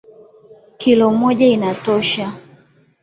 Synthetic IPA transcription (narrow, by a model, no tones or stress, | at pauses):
kilɔmɔʄainatɔʃa